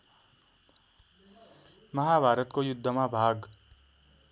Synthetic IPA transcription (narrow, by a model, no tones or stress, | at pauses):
mʌɦabʱaɾʌt̪kojud̪ʱːʌmabʱaɡ